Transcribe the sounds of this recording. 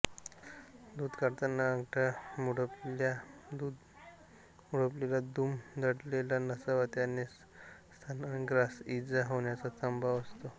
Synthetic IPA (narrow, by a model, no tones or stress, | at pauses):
d̪uːd̪kəɾt̪ənːaːɡʈamuɽəplad̪ud̪ | muɽəplelad̪umd̪ʱəɽlelanəsaʋat̪janːe | st̪ʰanaɽ̃iɡɾasid͡zaɦoɳjat͡sat͡səmbʱaʋəst̪o